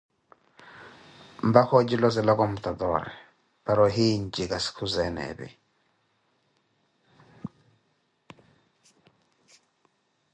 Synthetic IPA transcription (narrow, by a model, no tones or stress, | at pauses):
mbakɔd͡ʒilɔs̬ɛlɔkɔm̩t̪ad̪ɔɾɛ̰ | paɾɔɦiɲd͡ʒikaskʰuzɛnɛ̰bɪ̰